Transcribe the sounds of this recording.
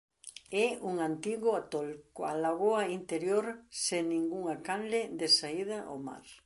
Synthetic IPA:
ɛuŋant̪iɣʊat̪olkoalaɣoaint̪eɾjoɾseŋnĩŋɡuŋakanled̪esaið̞aʔo̰ma̰ɾ

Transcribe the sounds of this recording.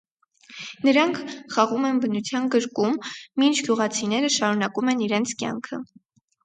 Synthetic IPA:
nəɾɑŋkʰχɑʁumɛnbənut͡sʰjɑnɡəɾkumːint͡ʃʰɡ̥juʁɑt͡sʰinɛɾəʃɑɾunɑkumɛniɾɛnt͡sʰkjɑ̰ŋkʰə

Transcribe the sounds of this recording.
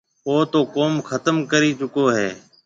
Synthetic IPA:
oːt̪oːkoːmxʰət̪əmkəɾiːt͡ʃʊkoːɦeː

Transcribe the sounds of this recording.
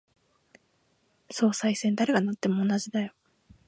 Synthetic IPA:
so̞ːsaisẽ̞nd̪aɾe̞ɡanat̪ːe̞mo̞ːnaʑid̪ajo

